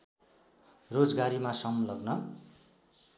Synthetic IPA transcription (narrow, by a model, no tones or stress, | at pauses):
rod͡zɡaɾimasʌmlʌɡnʌ